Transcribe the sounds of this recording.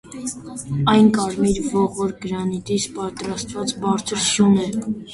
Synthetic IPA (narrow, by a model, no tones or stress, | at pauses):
ɑjnkɑɾmiɾvɔʁɔɾɡəɾɑnit̪ispɑt̪ɾɑst̪vɑt͡sbɑɾt͡sʰəɾʃjunɛ